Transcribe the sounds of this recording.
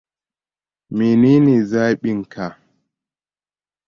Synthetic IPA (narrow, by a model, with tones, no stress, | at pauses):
mi˨niː˦ni˨zaː˦ɓɪ˦ŋka˨